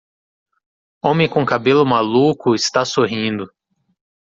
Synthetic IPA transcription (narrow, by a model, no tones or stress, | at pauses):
õmẽkõkabelʊmalukʊɪst̪asoɦĩnd̪ʊ